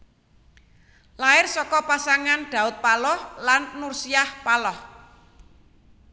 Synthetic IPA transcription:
laɪrsɔkɔpasaŋanɖ̪̥ä̤ʊt̪̚palɔhlanːursiahpalɔh

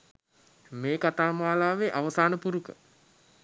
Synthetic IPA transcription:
meːkat̪aːmaalaːʋeʔaʋəsaːnəpuɾukə̰

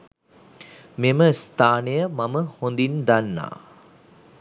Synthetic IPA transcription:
meməst̪ʰaːnejəmɐməhond̪ind̪anːa̰ː

